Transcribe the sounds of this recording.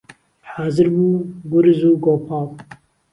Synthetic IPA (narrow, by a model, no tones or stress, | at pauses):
haːzɨɾbuːɡʊɾzuːɡoːpʰaːw